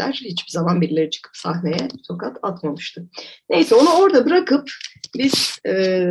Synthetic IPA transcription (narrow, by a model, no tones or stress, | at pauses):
æ̰ɾ̥hit͡ʃbizamanbiɾlʲeɾɛt͡ʃʰɯ̥kʰɯ̥psahne̞jɛso̞kat̪ʰat̪mamɯʃt̪ʰɯne̞jsɛo̞nuo̞ɾd̪abɯɾakʰɯpbiz̥ɛː